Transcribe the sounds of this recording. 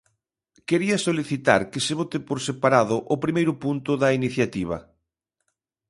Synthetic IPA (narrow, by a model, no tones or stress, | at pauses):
keɾiɐsoliθit̪a̰ɾkeseβot̪epoɾsepaɾaðʊʔʊpɾimejɾʊpunt̪ʊðɐiniθjat̪iβ̞ɐ̰